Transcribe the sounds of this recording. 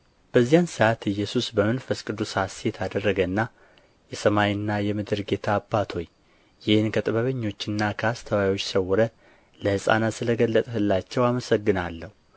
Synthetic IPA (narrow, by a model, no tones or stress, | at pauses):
b̥əzːijansəʔat̪ɨjːɛsusbəmɨnfəskʼɨd̪usasjɛt̪ʰad̪ərːəɡənːa | jɛsəmajɨnːajɛmɨd̪ɨɾɡe̞t̪ʰaːbːat̪ʰo̞j | jɪhɨnkʰət̪ʼɨβəβəɲːo̞t͡ʃːɨnːakʰəast̪ʰəwajwo̞t͡ʃːsəwɔɾə | ləhɨsʼa̰nat̪sɨləɡəlːət̪ʼhɨlːat͡ʃːɛwaməsəɡːɨnalːəhu